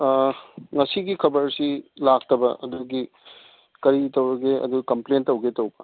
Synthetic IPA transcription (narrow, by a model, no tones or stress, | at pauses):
ŋɐsiɡikʰɐbɐɾsilak̚tɐbɐʔɐduɡi | kɐɾitɐwɾɐɡeɐ̰duɡikɐmplentɐwɡetɐwbɐ